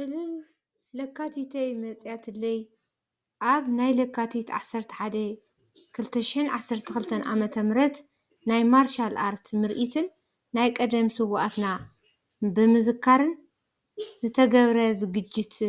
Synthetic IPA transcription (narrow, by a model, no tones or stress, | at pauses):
ɨlɨ | lɐkʰːat̪ʰit̪ʰejmɐt͡sʼjat̪ʰɨlːɐj | ʔaβnajlɐkʰːat̪ʰit̪ʕa̰sːɐɾt̪ʰɐ̥ħad̪ɐ | kʰɨlt̪ʰɐʃɪħɨnʕasːɐɾt̪ʰɐxɨlt̪ʰɐnʔa̰mɐt̪ʰɐmɨɾɐt̪ | najmaɾʃalʔaɾt̪ʰmɨɾʔit̪ʰɨnː | ajkʼɐd̪ɐmsɨwʔat̪na | bɨmɨzɨkʰːaɾɨn | zɨt̪ʰɐɡɐβɾɐzɨɡɨd͡ʒːɪt̪